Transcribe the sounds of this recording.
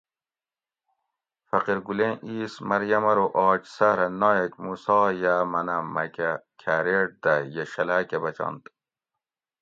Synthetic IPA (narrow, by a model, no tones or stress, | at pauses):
fɐqiɾɡulẽnʔiːsmɐɾjɐmɐɾoʔɑːt͡ʃsaɾɐnɑːjɐkmusɑːjaːmɐnɐmɐ̰kakʲʰæɾeɽ̚d̪ɐjɐʃɐlakɐbɐt͡ʃɑ̰nd̪